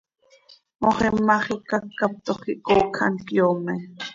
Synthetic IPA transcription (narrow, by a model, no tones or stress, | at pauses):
moχɛmːaχikakːap̚t̪oχiʔkokʰa̰nkjome